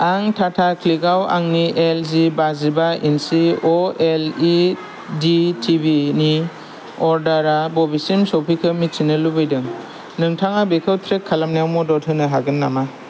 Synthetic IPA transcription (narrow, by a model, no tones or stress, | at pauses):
aŋtʰatʰakʰliɡawa̰ŋnielzibazibainsiɔeli | ditʰibini | ɔɾdaɾabɔbisimsɔpʰikʰɯmit̚sinɯlubɯjdɯŋ | nɯŋtʰaŋabekʰɯwtʰɾekʰːalamnajawmɔdɔtʰɯnɯɦaɡɯnːama